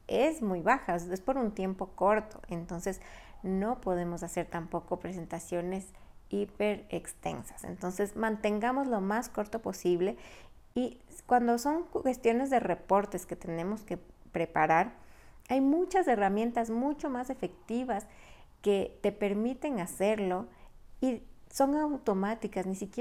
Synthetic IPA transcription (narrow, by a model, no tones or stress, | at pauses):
ezmujβaxaespoɾunt̪je̞mpo̞ko̞ɾt̪o̞̥̰ʔent̪o̞nse̞zno̞po̞ðe̞mo̞sase̞ɾt̪ampo̞ko̞pɾe̞s̬e̞nt̪asjo̞ne̞s | ipe̞ɾekst̪e̞̰nsḁsḛnt̪o̞nse̞smãnt̪e̞ŋɡamo̞zlo̞masko̞ɾt̪o̞po̞siβle̞ | ikwand̪o̞so̞ŋwe̞st̪jo̞ne̞zðe̞re̞po̞ɾt̪e̞ske̞t̪e̞ne̞mo̞ske̞pɾe̞paɾaɾajmut͡ʃase̞ramje̞nt̪azmut͡ʃo̞mase̞fe̞k̚t̪iβas | ke̞t̪e̞pe̞ɾmit̪e̞ŋase̞ɾlo̞iso̞ŋawt̪o̞mat̪ikaznisikje